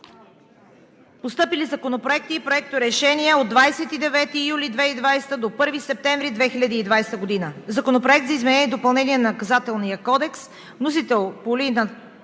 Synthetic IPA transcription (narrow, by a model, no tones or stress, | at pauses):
post̪ɤpilizɐkonopɾoɛk̚t̪iːpɾoɛk̚t̪oɾɛʃɛnʲiɛod̪ːvajsɛt̪id̪ɛvɛt̪ijulid̪vɛid̪vajst̪əd̪opɤɾvisɛp̚t̪ɛ̃ɱvɾid̪vɛxilʲɐd̪iːd̪vajst̪əɡod̪inəzɐkonopɾoɛk̚t̪zəizmɛnɛnʲiɛd̪opɐlˠnɛniɛnɐkɐzat̪ɛlˠnijəkɔd̪ɛks | vnosit̪ɛlˠpolinɐ